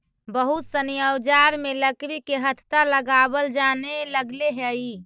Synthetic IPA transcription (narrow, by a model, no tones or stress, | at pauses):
bəɦut̪sənijəd͡ʒaɾmeləkɾikeɦət̪ʰt̪aləɡabəld͡ʒaneləɡleɦei